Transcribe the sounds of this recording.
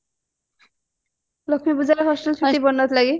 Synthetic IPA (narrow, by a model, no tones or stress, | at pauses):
lokʰmibud͡ʑaɾeɦɔʃʈolt͡ʃʰut̪ibɔnːot̪laɡi